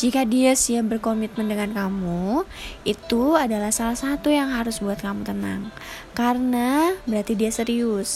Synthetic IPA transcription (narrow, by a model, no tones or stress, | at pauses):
d͡ʒikadiasiabərkomit̪̚məndəŋankamu | it̪uadalahsalahsat̪ujaŋɦaɾʊsbuat̪̚kamut̪əna̰ŋ | karənabəɾat̪idiasəɾiʊs